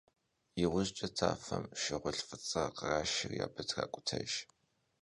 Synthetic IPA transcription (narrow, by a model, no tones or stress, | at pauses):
iʁʷʊʑt͡ʃʼɐtʰaːfɐmʃɪʁʷʊɬfɨt͡sʼɐqəraːʃɪrjaːbɐtʰxa̰ːkʷʼʊtʰɐʒ